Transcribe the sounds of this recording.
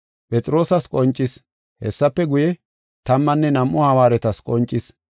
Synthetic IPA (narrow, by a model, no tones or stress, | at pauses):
pʼɛt͡sʼɪɾo̞ːsɐskʼɔnt͡ʃʼːɪs | hɛsːɐpːɛɡʊjɛ | t̪ɐmːɐnːɛnɐmʔɔhɐwaːɾɛt̪ɐskʼɔnt͡ʃʼːɪs